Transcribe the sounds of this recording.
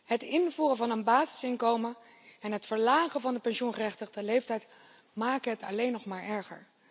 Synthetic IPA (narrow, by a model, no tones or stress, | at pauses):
hətɪnvuːrəvɑnənbaːzɪsɪŋkowmə | ɛnɦətfəɹlaːχəvɑndəpɛnʃunχərɛχtəχdəlejftɛjt | maːkəɦətɑlejnɔχmaːɹʔɛɹχə̰ɹ